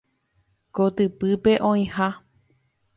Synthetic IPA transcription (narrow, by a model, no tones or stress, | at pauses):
kot̪ɨpɨpe̞ʔõĩha